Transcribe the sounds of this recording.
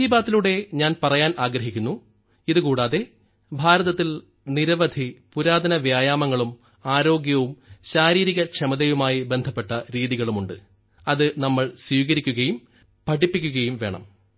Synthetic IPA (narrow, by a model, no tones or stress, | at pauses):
ibaːt̪ːiluɽe̞ɲaːnpɐrɐjaːnaːɡɾɐɦikʲːunːu | iðɨkuːɽaːðe̞ | bʱaːɾɐðɐt̪ːil | niɾɐʋɐd̪ʱipuɾaːd̪ɐnɐʋjaːjaːmɐŋːɐɭum | aːɾo̞ːɡjɐʋumɕaːɾiːɾiɣɐkʂɐmɐðejumaːjibe̞nd̪ʱɐpːe̞ʈːɐɾiːðiɣɐɭumuɳɖɨ | ɐðɨnɐmːɐɭswiːɣɐɾikʲːuɣɐjum | pɐʈipːikʲːuɣɐjumʋe̞ːɳɐ̰m